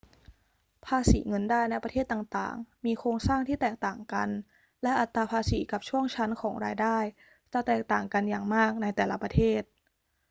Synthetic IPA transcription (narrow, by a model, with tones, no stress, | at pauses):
pʰaː˧sḭː˩˦ŋɤ˧ndaː˥˩jn˧˦˥pɾʰeː˥˩t̪ːaː˨˩ŋt̪a̰ː˨˩ŋmiː˧kʰɾoː˧ŋsaː˥˩ŋt̪ʰiː˥˩t̪ɛː˨˩k̚t̪aː˨˩ŋka˧n | lɛ˦˥ʔa˨˩t̪ːaː˧pʰaː˧siː˩˦ka˨˩p̚t͡ɕʰu˥˩əŋt͡ɕʰa˦˥nkʰɔː˩˦ŋɾaː˧jdaː˥˩j | t͡ɕa˨˩t̪ɛː˨˩k̚t̪aː˨˩ŋka˧njaː˨˩ŋmaː˥˩k̚na˧jt̪ɛː˨˩la˦˥pɾa˧t̪ʰeː˥˩t̪̚